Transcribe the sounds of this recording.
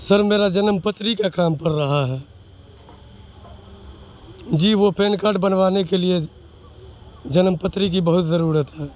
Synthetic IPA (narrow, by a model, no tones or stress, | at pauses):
səɾmeːɾad͡ʒənəmpət̪ɾikakaːmpəɾːəɦaɦɛː | d͡ʒiːʋopʰẽːnkaːɾɖbənʋaːnekelie | d͡ʒənəmpət̪ɾik̬ibəɦʊt̪zəɾuːɾət̪ɦɛː